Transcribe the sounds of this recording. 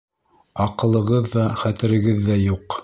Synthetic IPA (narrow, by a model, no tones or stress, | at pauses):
ɑqɤ̆lˠɤ̆ʁɤðːɑχæt̪ɘ̆ɾɘ̆ɡɘðːæjuq